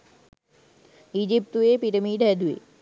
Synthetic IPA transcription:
id͡ʒip̚t̪uepiɾəmiːɖɛd̪uḛ

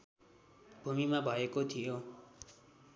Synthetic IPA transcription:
bʱumimabʱʌekot̪ʰijo

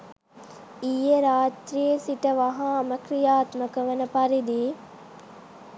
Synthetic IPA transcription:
ijəɾaːt̪ɾijəsiʈəʋɐɦãːməkɾijaːt̪məkəʋənəpɐɾid̪iː

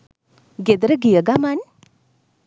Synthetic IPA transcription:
ɡed̪ɐɾɐɡijɐɡaman

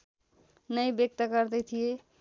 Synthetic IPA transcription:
nəjbjek̚t̪əkəɾd̪et̪ʰije

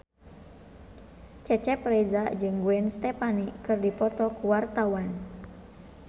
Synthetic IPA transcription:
t͡ʃɛt͡ʃɛpɾɛzad͡ʒɨŋɡuɛnst̪ɛpanikɨrdipɔt̪ɔkuwart̪awan

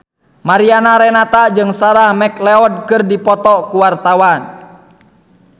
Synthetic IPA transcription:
maɾianaɾɛnat̪ad͡ʒɨŋsaɾahmɛklɛɔd̚kɨrdipɔt̪ɔkuwart̪awan

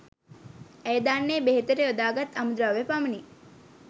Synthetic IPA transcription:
æjd̪aːnːeːbeɦet̪əɾeod̪aːɡɐt̪ːɐmud̪ɾaːʋepaməni

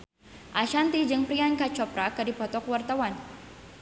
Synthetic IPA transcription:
ʔaʃant̪id͡ʒɨŋpɾiankat͡ʃɔpɾakɨdipɔt̪ɔkwart̪awan

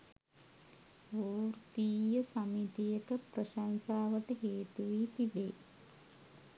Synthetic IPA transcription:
ʋuːɾt̪iːjɐsɐmit̪ijɐkɐpɾɐʃansaːʋɐʈɐɦeːt̪uʋit̪iɖeː

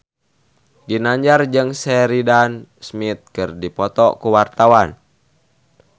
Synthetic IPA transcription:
ɡinaɲd͡ʒard͡ʒɨŋsɛɾidansmit̪̚kɨrdipɔt̪ɔkuwart̪awan

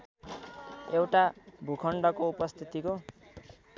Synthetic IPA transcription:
ewʈabʱukʰʌɳɖʌkoupʌst̪ʰit̪iko

